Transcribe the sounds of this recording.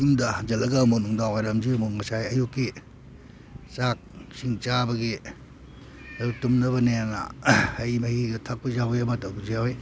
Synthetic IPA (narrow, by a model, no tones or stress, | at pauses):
uŋdɐd͡ʒɐlɐɡɐmunuŋdawajɾɐmd͡ʒimuŋɐsajɐjukːi | t͡ʃak̚siŋt͡ʃabɐɡi | ɐjuk̚tumnɐβɐneanɐ̰ɐjmɐhiɡɐtʰak̚pɐzaweɐmɐtɐɡuzijawe